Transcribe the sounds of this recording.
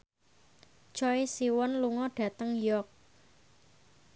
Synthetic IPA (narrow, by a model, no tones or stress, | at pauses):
t͡ʃɔesiwɔnluŋɔɖ̥ä̤t̪əŋjɔk̚